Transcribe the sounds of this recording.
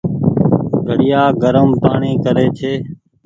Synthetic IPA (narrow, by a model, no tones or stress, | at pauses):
ɡʱəɽɪjaːɡəɾəmpaːɳiːkəɾeːt͡ʃʰeː